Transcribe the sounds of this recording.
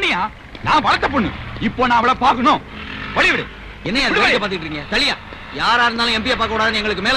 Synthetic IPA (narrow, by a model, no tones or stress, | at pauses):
nɪjaː | nãːʋɐɭɐt̪ːɐp̬ːoːɳːɯ̰ɪpːoːnãːɐʋɐɭɐpaːɾkɐnõː | ʋɐɭɪʋɪɽɯ̰ | ɛnːɐjaːðɐɪkːɐpaːɾt̪ɪkɪʈːɾiːŋɡɐt̪ɐɭɪjaː | jaːɾaːɪɾɯnd̪aːlʊ̃ɛmbɪjaːpaːɾkɐːɽaːðanɯɛŋɡɐɭɯk̬ːɯmeːl